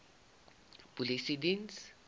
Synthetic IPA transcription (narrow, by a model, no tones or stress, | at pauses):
b̥ulisidins